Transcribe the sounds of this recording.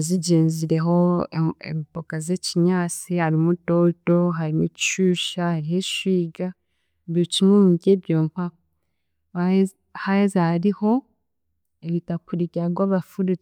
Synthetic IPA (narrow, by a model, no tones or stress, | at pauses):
aziɟeːɲziɾe̞ɦo̞ḛmipokaze̞ciɲaːt͡sihaɾimutoto̞ɦaɾimuiʃuːʃahaɾiheʃwiːɡa | eβjocimwemuɡe̞bjoːmpa | a | hahezahaɾiho̞ | eβitakuɾiɡaɡwaːβafuɾut͡s